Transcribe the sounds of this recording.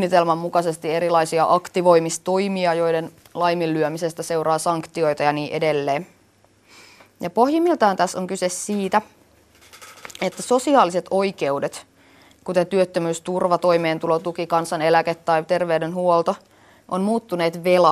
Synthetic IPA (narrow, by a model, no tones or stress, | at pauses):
nːit̪elmɑmːukɑse̞st̪ie̞ɾilɑjsiɑʔɑkt̪iʋo̞jmist̪o̞jmiɑjo̞jden | lɑjmilːyømise̞st̪æse̞urɑːsɑŋkt̪io̞jt̪ɑjɑniːʔe̞delːeːn | jɑpo̞hjimːilt̪ɑhɑnt̪æsːoŋkysessiːt̪æ | e̞t̪ːæso̞siɑːliset̪o̞jke̞uwde̞t̪ | kut̪et̪yøt̪ːømyːst̪urʋɑt̪o̞jme̞ːnt̪ulot̪ukikɑnsɑne̞læket̪ːɑjt̪e̞rʋewdenɦuolt̪o | ʔonmuːt̪ːune̞ːt̪ʋelɑ